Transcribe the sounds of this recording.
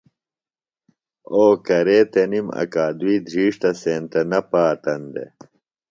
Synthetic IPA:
oːkɐɾeːt̪enimɐ̰kaːd̪uiːd̪ʱɾiːʂt̪ɐseːnt̪ɐnɐpaːt̪ɐnd̪ḛ

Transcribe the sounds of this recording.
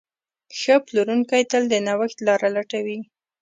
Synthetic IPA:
xəploɾuŋkajt̪əld̪ənawaxt̪lɑɾalaʈawi

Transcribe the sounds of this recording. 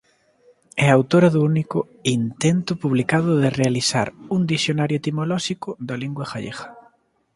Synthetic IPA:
ɛawt̪oɾɐðuunikʊ | int̪ent̪ʊpuβlikaðʊðɪrealisa̰ɾund̪isjonaɾjʊet̪imolɔʃikʊðɐliŋɡwaɣaʎeɣɐ̥

